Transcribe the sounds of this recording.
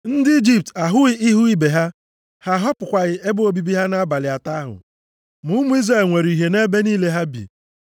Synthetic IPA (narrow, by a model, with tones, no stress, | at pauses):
n̩˦dɪ˦i˦d͡ʒi˨p̚ta˨ɦʊ˦ɪ˦i˦ɦu˦i˦be˨ɦa˦ | ha˦ɦɔ˦pʊ˨kʷa˨ɣɪ˦e˦bo˦bi˦bi˦ɦa˦na˦ba˨lɪ˨a˨ta˦a˦ɦʊ̰˨ | mʊ˦mʊ˦i˦zra˦˨lŋʷe˨ɾi˨i˨ɦe˨ne˦be˦niː˦le˦ɦa˦bḭ˨